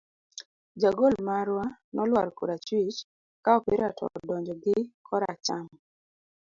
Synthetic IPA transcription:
d͡ʒaɡolmaɾwanɔlwaɾkṵɾat͡ʃwit͡ʃ | kaɔpeɾatʰɔ̰ɔdɔɲd͡ʒɔɡɪkʰɔɾat͡ʃam

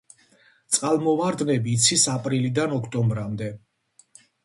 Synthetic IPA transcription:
t̪sʼqʼalˠmɔvaɾd̪nɛbiːt̪sʰisapʼɾilid̪anɔkʰt̪ʼɔmbɾamd̪ɛ

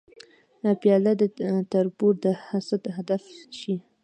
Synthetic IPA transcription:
pjɑlad̪ət̪aɾbuɾd̪əhasad̪ɦad̪afʃi

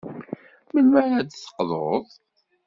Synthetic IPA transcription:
məlmæɾæd̪sə̥qːðˤoðˤ

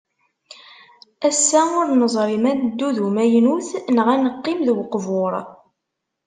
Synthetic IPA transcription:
æsːæʊɾnəzˤɾˤimænd̪ːuðumæjnuθnəʁænəqːɪmðwqːvoɾˤ

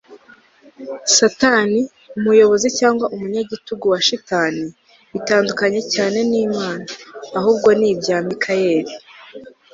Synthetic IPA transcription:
sataːni | umujo̞βo̞zicaːŋɡwaʔumuɲaɟituɡuwaʃitaːni | βitaːndukaɲe̞caːne̞niːmaːnaːɦuːbɡo̞niːbjaːmikʰaje̞ːɾi

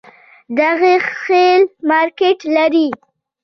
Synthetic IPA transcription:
d̪aɣexelmɑɾkeʈlaɾi

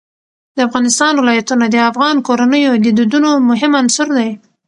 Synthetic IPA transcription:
d̪əafɣɑnɪst̪ɑnwɪlɑjat̪unad̪əafɣɑnkoɾanəjod̪əd̪id̪unomʊɦɪmansʊɾd̪aj

